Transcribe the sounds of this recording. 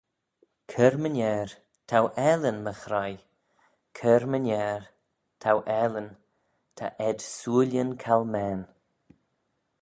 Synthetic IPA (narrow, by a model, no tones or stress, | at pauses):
kʰəɾmənʲɛːɾ | t̪ʰawʔɛlənməxɾaj | kʰəɾmənʲɛːɾ | t̪ʰawʔɛlən | t̪ʰa̰ʔɛd̪suːəlʲjənkʰalmɛːn